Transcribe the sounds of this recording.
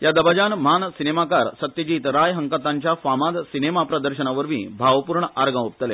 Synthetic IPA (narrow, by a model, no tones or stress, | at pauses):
jad̪əbad͡ʑanmansinemakaɾsət̪jəd͡ʑiːt̪ɾajɦəŋkat̪ːaɲt͡ɕjafamad̪sinemapɾəd̪əɾɕənaʋəɾʋḭ̃ːbʱaʋpuːɾɳəʔaɾɡãup̚t̪əle